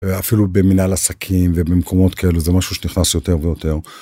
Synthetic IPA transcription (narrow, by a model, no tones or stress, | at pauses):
afilubeminalasakʰimvebemkʰo̞mo̞t̪kʰae̞luzemaʃuʃeniχnasjo̞t̪e̞ʁvejo̞t̪e̞ʁ